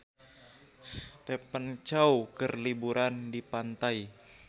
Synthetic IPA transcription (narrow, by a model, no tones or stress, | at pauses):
st̪epənt͡ʃaukərlibuɾandipant̪ai